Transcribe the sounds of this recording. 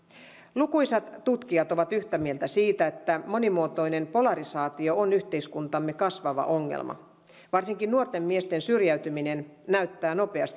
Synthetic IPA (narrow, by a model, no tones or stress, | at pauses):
lukujsɑt̪tːut̪kiɑt̪o̞ʋɑt̪yçt̪æmie̞lt̪æsiːt̪æet̪ːæmo̞nimuot̪o̞jne̞mpo̞lɑɾisɑːt̪io̞onyht̪e̞iskunt̪ɑmːekɑsʋɑʋɑ̰ʔo̞ŋːḛlmɑ̰ | ʋɑrsiŋkinnuort̪e̞mːie̞st̪e̞nsyrjæɥt̪ymine̞nnæyt̪ːæːno̞pe̞ɑst̪